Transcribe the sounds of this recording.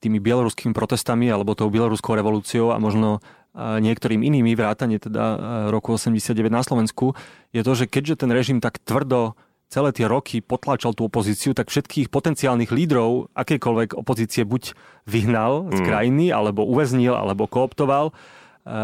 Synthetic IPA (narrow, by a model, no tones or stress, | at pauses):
t̪iːmibɪɛlɔɾuskiːmipɾɔt̪ɛst̪amialɛbɔt̪ɔʊbɪɛlɔɾuskɔʊɾɛʋɔluːt͡siɔʊa̰mɔʒnɔ | ɲɪɛkt̪ɔɾiːminiːmiʋɾaːt̪aɲɪɛt̪ɛd̪a̰ɾɔkuɔsɛmɟɛsɪad̪̚ɟɛʋɛɟ̪naslɔʋɛnskujɛt̪ɔʒɛkɛɟʒɛt̪ɛnɾɛʒimt̪akt̪ʋr̩d̪ɔ | t͡sɛlɛːt̪ɪɛɾɔkʰipɔt̪laːt͡ʃalt̪uɔpɔziːt͡siut̪akfʃɛt̪kʰiːxpɔt̪ɛnt͡siaːlniɣliːd̪ɾɔʊʔakɛjkɔlʋɛɡɔpɔziːt͡siɛbuɟ | ʋiɦnalskɾajinia̰lɛbɔʔuʋɛzɲilʔa̰lɛbɔkɔɔpt̪ɔʋal